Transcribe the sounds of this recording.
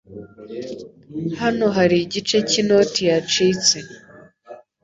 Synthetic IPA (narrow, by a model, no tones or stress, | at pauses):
hano̞ɦaɾiɟit͡ʃe̞cino̞tijat͡ʃiːt͡si